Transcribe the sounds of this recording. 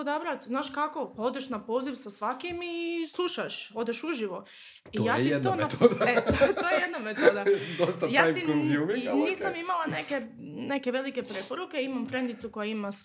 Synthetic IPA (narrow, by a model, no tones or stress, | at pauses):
od̪abɾat̪znaːʃkako̞paod̪eʃnapo̞ːziʋsasʋakimislˠuʃaʃo̞d̪eʃuʒiʋo̞ | tiojaːtj̪ied̪naonmeat̪od̪aet̪ojejed̪namet̪od̪ad̪ost̪ajaajt̪ikoziuminiːsamimalˠaneke | ne̞ke̞ʋe̞like̞pɾepoɾukeimamfɾe̞nd̪it̪suko̞jaimas